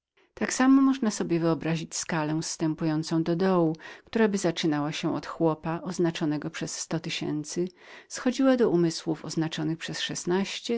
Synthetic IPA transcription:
t̪aksamɔmɔʐnasɔbʲjɛvɘɔbɾaʑit͡ɕskalɛst̪ɛmpujɔnt̪sɔ̃w̃d̪ɔd̪ɔwukt̪uɾabɘzat͡ʂɘnawaɕɛʔɔ̰t̪xwɔpaʔɔznat͡ʂɔnɛɡɔpʂɛsːt̪ɔt̪ɘɕɛ̰nt̪sɘ | sxɔd͡ʑiwad̪ɔumɘswufɔznat͡ʂɔnɘxpʂɛsʂɛsnaɕt͡ɕɛ

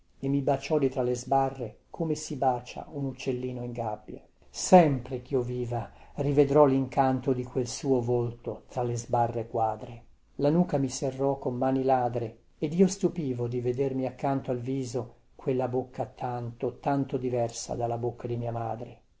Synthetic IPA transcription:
emːibat͡ʃɔd̪it̪ɾalːezbarːekʰomesibaːt͡ʃa̰unut͡ʃːelːiːnoiŋɡabːja | sɛmpɾek̟ioviːvarived̪ɾɔliŋkant̪od̪ikwelsuːovolt̪ot̪ɾalːezbarːekwaːd̪ɾe | lanuːkamiserːɔkːomːaːnilaːd̪ɾe | ed̪iːost̪upiːvod̪ived̪ermiakːant̪oalviːzo | kwelːabokːat̪ant̪ot̪ant̪od̪ivɛrsa̰d̪alːabokʰːad̪imiːamaːd̪ɾe

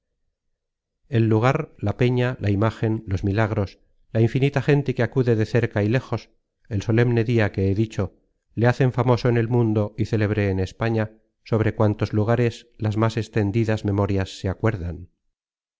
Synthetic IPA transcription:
e̞lːuɣ̞aɾlape̞ɲalʔaimaxe̞nlo̞zmilaɣ̞ɾo̞s | laiɱfinit̪aχe̞nt̪ekeakuðe̞ðe̞θe̞ɾkaile̞xo̞s | e̞lso̞le̞mne̞ðiake̞eðit͡ʃo̞ | leaθe̞ɱfamo̞so̞ene̞lmũnd̪o̞iθe̞le̞βɾe̞ːne̞spaɲa | so̞β̞ɾe̞kwant̪o̞zluɣ̞aɾe̞slazmase̞st̪e̞nd̪iðazmẽ̞mo̞ɾjasːeakwe̞ɾðan

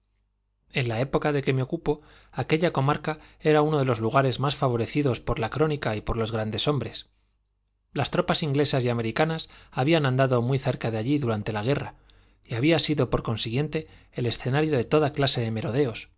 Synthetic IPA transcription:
e̞nlae̞po̞kaðe̞ke̞meo̞kupo̞ | ake̞ʎako̞maɾkae̞ɾauno̞ð̞e̞lo̞zluɣ̞aɾe̞zmasfaβ̞o̞ɾe̞θiðo̞spo̞ɾlakɾo̞nikaipo̞ɾlo̞zɣɾand̪e̞so̞mbɾe̞s | last̪ɾo̞pasiŋɡle̞sasjame̞ɾikanasaβianãnd̪aðo̞mwiθe̞ɾkaðeaʎiðuɾant̪e̞laɣ̞e̞ra | iaβ̞iasiðo̞po̞ɾko̞nsiɣje̞nt̪e̞ː | le̞sθe̞naɾjo̞ðe̞t̪o̞ðaklase̞ðe̞me̞ɾo̞ð̞e̞o̞s

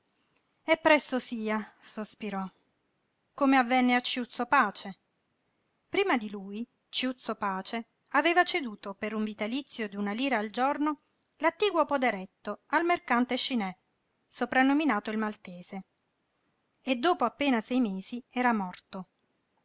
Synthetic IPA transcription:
ɛpːɾɛsːosiːasospiɾɔ | komeavːɛnːeat͡ʃːjut̪sːopaːt͡ʃe | pɾiːmad̪iluːj | t͡ʃjut̪sopaːt͡ʃe | aveːvat͡ʃed̪uːt̪opeɾuɱvit̪alit̪sːjod̪iunaliːɾaːld͡ʒorno | lat̪ːiːɡwopod̪eɾɛt̪ːoalmerkant̪eʃinɛ | sopɾanːominaːt̪oilmalt̪eːse | ed̪ːoːpoapːeːnasɛjmeːziɛːɾamɔrt̪o

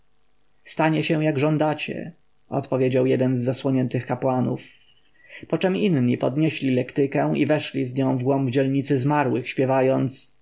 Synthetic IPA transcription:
st̪aɲɛɕɛw̃jaɡʐɔ̃nd̪at͡ɕɛ̰ | ɔ̰t̪pɔvʲjed͡ʑawjɛd̪ɛnzːaswɔɲɛnt̪ɘxkapwanuf | pɔt͡ʂɛminɲipɔd̪ɲɛɕlʲilɛkt̪ɘkɛ̃w̃ʔḭvɛʂlʲizɲɔ̃w̃vɡwɔmvd͡ʑɛlɲit̪sɘzmaɾwɘxɕpʲjɛvajɔnt̪s

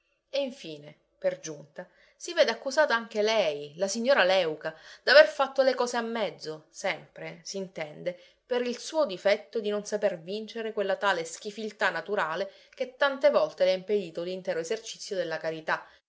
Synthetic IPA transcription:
eiɱfiːne | perd͡ʒunt̪a | siveːd̪eakːuzaːt̪aaŋk̟elɛjlasiɲːoːɾalɛwkad̪̥averfat̪ːolekɔːzeamːɛd̪zːosɛmpɾesiːnt̪ɛnd̪e | peɾilsuːod̪ifɛt̪ːod̪inonsapervint͡ʃeɾekwelːat̪aːlesk̟ifilt̪anːat̪uɾaːle | k̟et̪ːant̪evɔlt̪elɛaimped̪iːt̪olːint̪ɛːɾoezert͡ʃit̪sːjod̪elːakaɾit̪a

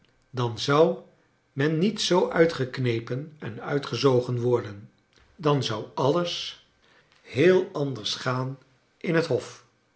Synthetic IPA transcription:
dɑnzʌw | mɛnːitsowʔœɥtχəknejpənɛnœɥtχəzowχənʋɔɹdən | dɑnzʌwɑləs | hɪːlˠɑndəɹsχaːn | ʔɪnɦətɦɔf

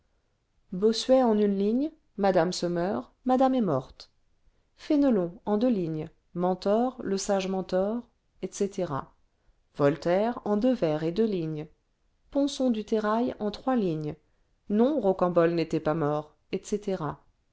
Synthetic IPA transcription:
bosɥɛɑ̃nynliɲ | mad̪amsɔmœʁ | mad̪amɛmɔʁt̪ | fenəlɔ̃ɑ̃d̪øliɲ | mɑ̃t̪ɔʁləsaʒmɑ̃t̪ɔʁ | ɛt̪set̪eʁa̰ | vɔlt̪ɛʁɑ̃d̪øvɛʁed̪øliɲ | pɔ̃sɔ̃d̪yt̪eʁajɑ̃t̪χwaliɲ | nɔ̃ʁokɑ̃bɔlnet̪ɛpamɔʁ | ɛt̪set̪eʁa

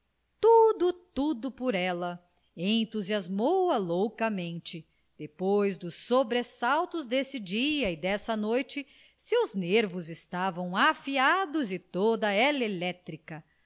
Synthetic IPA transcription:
t̪ud̪ʊt̪ud̪ʊpoɾɛlɐ | ẽnt̪uziazmowɐlowkɐmẽnt͡ʃɪ | d̪̥epojzd̪ʊsːobɾesawt̪ʊzd̪esɪd͡ʒiɐɪd̪ɛsɐnojt͡ʃɪ | sewzneɾvʊzɪst̪avɐ̃w̃afiad̪ʊzɪt̪od̪ɐɛlelɛt̪ɾikɐ

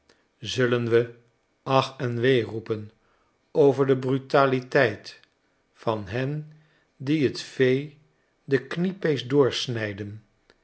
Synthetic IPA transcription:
zɵlənʋə | ɑχɛnʋejrupən | owvəɹdəbrytaːlitɛjt | fɑnɦɛn | diɦətfej | dəknipejsdʊːɹsnɛjdən

